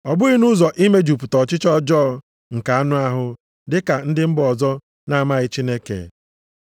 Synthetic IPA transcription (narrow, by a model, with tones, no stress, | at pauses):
ɔ˨bʊ˦i˦nu˦zɔ˨ʔi˦me˦d͡ʒu˨p̬u˨tɔ˨t͡ʃɪ˦t͡ʃɔ˦d͡ʒɔː˦˨ | ŋ̩˨ka˨a˦nʊ˦a˦ɦʊ˦ | dɪ˦ka˨n̩˦dɪ˦m̩˦bɔ˨zɔ˦ | na˦a˦˨ma˦ɣɪ˦t͡ʃi˦ne˦kḛ˨